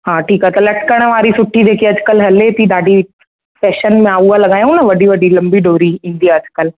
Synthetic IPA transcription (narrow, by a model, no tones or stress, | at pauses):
hãːʈʰiːkat̪ɐlɐʈ̚kəɽ̃ʋaːɾisʊʈʰːid̪eːkʰieɐd͡ʒkəlɦɐlet̪id̪aːɖi | fʰɛːʃənmẽaːualɐɡaːjũnaʋɐɖʱiʋɐɖilɐ̃mbiɖoːɾiɦĩːnd̪ijaɐd͡ʒkəl